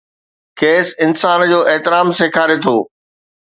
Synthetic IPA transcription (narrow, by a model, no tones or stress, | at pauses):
keːsɪnsaːnd͡ʑoːʔɛɦt̪ɪɾaːmseːkʰaːɾet̪ʰoː